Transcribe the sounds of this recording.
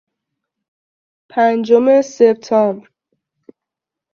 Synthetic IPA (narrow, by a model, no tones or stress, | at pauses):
pʰænd͡ʒomesep̚t̪ʰɒmbɾ